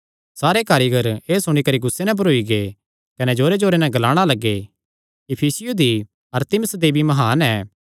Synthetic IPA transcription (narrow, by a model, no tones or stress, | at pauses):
saːɾekaːɾiːɡəɾeːsʊɽ̃ikɐɾiɡʊsːenɛ̃bɐɾoːiɡe | kɐnɛd͡ʒoːɾed͡ʒoːɾenɛ̃ɡɐlaːɽ̃alɐɡːe | ɪpʰiːsɪjud̪i | ɐɾt̪ɪməsd̪ebʱimɐɦaːnɛː